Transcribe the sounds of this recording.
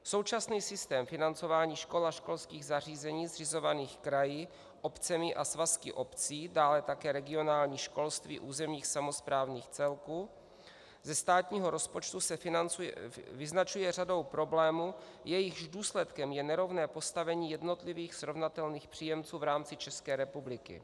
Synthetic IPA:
so̞wt͡ʃasniːsɪst̪ɛːmfɪnant͡so̞vaːɲiːʃko̞laʃko̞lskiːɣzar̝iːzɛɲiːzrɪzo̞vaniːxkɾajiː | ʔopt͡sɛmɪʔasvaskɪ̰ʔo̞pt͡siːdaːlɛt̪akɛːɾɛɡɪo̞naːlɲiːʃko̞lst̪vḭːʔuːzɛmɲiːxsamo̞spɾaːvniːxt͡sɛlkuː | zɛst̪aːt̪ɲiːɦo̞ɾo̞spo̞t͡ʃt̪usɛ | vɪznat͡ʃujɛr̝ado̞wpɾo̞blɛːmu | jɛjɪɣʒduːslɛt̪kɛmjɛnɛɾo̞vnɛːpo̞st̪avɛɲiːjɛdno̞t̪lɪviːxsɾo̞vnat̪ɛlniːxpr̥ijɛmt͡suːvɾaːmt͡sɪt͡ʃɛskɛːɾɛpublɪkɪ̰

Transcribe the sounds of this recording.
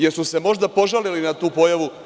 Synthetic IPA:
jeɾsuse̞mo̞ʒd̪apo̞ʒalilinat̪uːpo̞jaʋu

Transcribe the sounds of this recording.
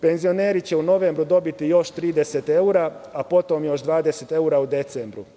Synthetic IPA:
pe̞nzio̞neːɾit͡ɕe̞uno̞ʋeːmbɾud̪o̞bit̪ijo̞ʃt̪ɾiːd̪eset̪e̞uɾaapo̞t̪o̞mjo̞ʃd̪ʋaːd̪eset̪e̞uɾaud̪e̞t̪sembɾṵ

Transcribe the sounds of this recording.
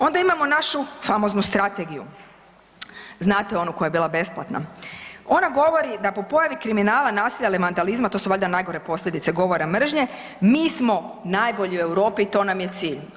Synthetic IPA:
o̞nd̪aimamo̞naʃufamo̞znust̪ɾat̪e̞ɡijṵ | znaːt̪eo̞nuko̞jajebiːlˠabe̞splat̪na̰o̞naɡo̞ʋo̞ɾid̪apo̞po̞jaʋikɾiminaːlˠanaːsiʎaliʋand̪alizmat̪o̞ːsuʋaʎʲd̪anajɡo̞ɾe̞po̞sʎʲed̪it̪seɡo̞ʋo̞ɾamr̩ʒɲe̞ | miːsmo̞najboʎiue̞wɾo̞ːpiːt̪o̞namje̞t̪siːʎ

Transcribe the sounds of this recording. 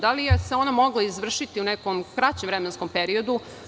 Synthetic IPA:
d̪alijese̞o̞namo̞ɡlˠaizʋr̩ʃit̪iunekomkɾat͡ɕemʋɾemensko̞mpeɾio̞d̪u

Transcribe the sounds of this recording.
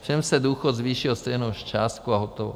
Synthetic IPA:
fʃɛmsɛduːxot̪zviːʃɪlst̪ɛjnowʃt͡ʃaːst̪̚kuaɦot̪ovo̰

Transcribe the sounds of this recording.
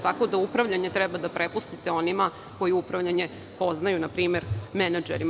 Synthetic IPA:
t̪ako̞d̪aupɾaʋʎaɲe̞t̪ɾɛbad̪apɾepust̪it̪e̞o̞nima | ko̞jiupɾaʋʎaɲe̞ | po̞znajunapɾiːme̞ɾmenad͡ʒeɾi

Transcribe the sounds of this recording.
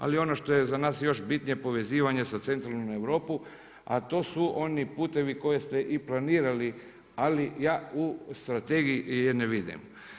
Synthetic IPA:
a̰lio̞no̞ʃt̪o̞je̞zanaːsjo̞ʃbit̪nijepo̞ʋe̞ziːʋaɲe̞sat̪se̞nt̪ɾalnoeʋɾo̞ːpu | a̰t̪o̞ːsuʔo̞nipuːt̪e̞ʋiko̞je̞st̪eʔiplaniːɾali | alijaːust̪ɾat̪eɡijijeneʋid̪ḭm

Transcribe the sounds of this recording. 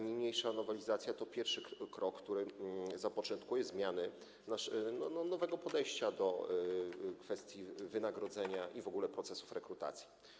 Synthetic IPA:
ɲejmɲejʂanɔvɛlʲizat̪sʲjat̪ɔpʲjɛɾfʂɘkɾɔkːt̪uɾɘzapɔt͡ʂɔ̃nt̪kujɛzmʲjanɘ | naʂnɔnɔnɔvɛɡɔpɔd̪ɛjɕt͡ɕad̪ɔ | kfɛst̪ʲjivɘnaɡɾɔd̪zɛɲaʔivɔɡulɛpɾɔt̪sɛsu̥fɾɛkɾut̪a̰t̪sʲji̥

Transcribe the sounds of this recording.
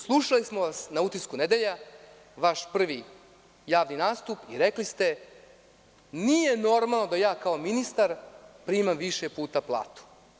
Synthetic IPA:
slˠuʃalismoʋasnaut̪iskuned̪eʎa | ʋaʃpr̩ʋi | jaːʋninaːst̪upiɾeklist̪e̞ | nije̞no̞ɾmalˠno̞d̪ajaːkaominist̪aɾpɾimamʋiʃepuːt̪aplˠa̰ːt̪u̥

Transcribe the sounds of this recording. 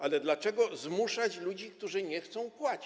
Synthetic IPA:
alɛd̪lat͡ʂɛɡɔzmuʂat͡ɕlud͡ʑik̚t̪uʐɘɲɛxt̪sɔ̃w̃pwat͡ɕi̥

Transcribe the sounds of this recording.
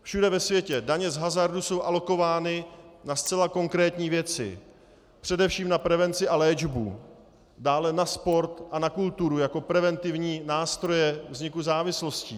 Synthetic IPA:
fʃudɛvɛsvjɛcɛdaɲɛzɦazaɾduso̞wʔalo̞ko̞vaːnɪnast͡sɛlako̞ŋkɾɛːt̪ɲiːvjɛt͡sɪ̰ | pr̥ɛdɛfʃiːmnapɾɛvɛnt͡sɪʔalɛːd͡ʒbṵ | daːlɛnaspo̞ɾt̪ʔanakult̪uɾujako̞pɾɛvɛnt̪ɪvɲiːnaːst̪ɾo̞jɛvzɲɪkuzaːvɪslo̞sciː

